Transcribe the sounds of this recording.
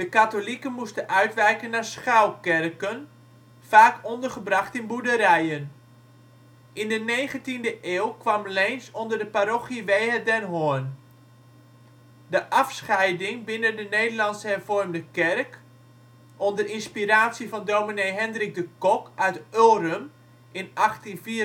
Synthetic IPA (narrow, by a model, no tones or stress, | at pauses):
d̥əkatolikənmustəʔœɥtʋɛjkənːasχawkɛrkən | faːkɔndərχəbrɑχtɪnbudəɾɛjən | ʔɪndəneːχəntindəʔeːlˠkʋɑmlejnsɔndərdəpaɾoχiʋejɦɛdɛnɦoən | dəʔɑfsχɛjdɪŋbɪnəndənejdərlɑnsəhɛrvɔrmdəkɛrk | ʔɔndərɪnspiɾaːtsivɑndowminejɦɛndrɪk̚dəkɔkœɥtølˠrəm | ɪnɑχtinfiː